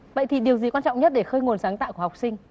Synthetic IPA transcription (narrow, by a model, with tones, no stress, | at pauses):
və̰˧˨jt̪ʰi˨˩ɗi˨˩əwzi˨˩kwaː˧nt͡ɕɔ̰˧˨ŋ͡mɲə˦˥t̚ɗe˧˩xəː˧jŋo˨˩nsaː˨˦ŋt̪a̰ː˧˨ku˧˩˨ha˨˩k͡p̚sï˧ŋ̟